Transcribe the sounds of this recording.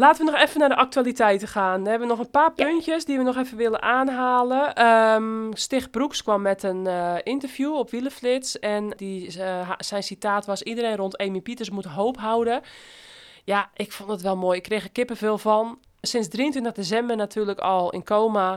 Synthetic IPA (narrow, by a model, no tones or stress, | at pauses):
laːtəʋənɔxɛfənadəʔak̚tuaːlˠitʰɛjtəxaːnəɦɛbəʋənɔxənpaːpøntjəsdiʋənɔxɛfənʋɪlˠənʔaːnɦaːlˠəəmstɪxbrukskʋɔmːɛtənɪntərvjuopʋilˠəflɪtsɛndi | sɛjnsitaːtʋɔsidəɾeːnrontʰejmipitəsmutənɦoːpɦawdə | jaʔɪkfondətʋɛlˠmoːjɪkːreːxəkɪpəveːlˠvɔn | sɪnsdriəntʋɪntəxdesɛmbərnatʰyːləkɔlˠɪ̰nkoːma